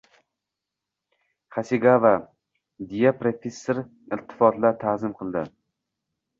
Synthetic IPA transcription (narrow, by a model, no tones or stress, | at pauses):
χasiɡava | d̪ijapɾofʲesːoɾ | ɪlt̪ʰːɪ̥fɒt̪lat̪ʰazɪmqʰɨlˠd̪ɪ̰